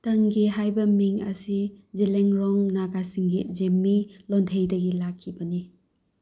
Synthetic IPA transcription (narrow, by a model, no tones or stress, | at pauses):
tɐŋɡiɦajbɐmiŋɐ̰sizileŋɾɔŋnaɡasiŋɡid͡ʒemːilɔntʰejdɐɡilakʰːibɐni